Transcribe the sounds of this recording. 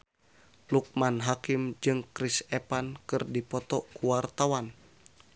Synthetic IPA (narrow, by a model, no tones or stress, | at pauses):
luk̚manɦakimd͡ʒɨŋkɾisɛpankɨrdipɔt̪ɔkuwart̪awan